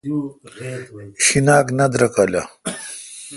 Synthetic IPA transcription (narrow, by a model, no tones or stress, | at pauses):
ɕinaːknɐd̪ɾɐkala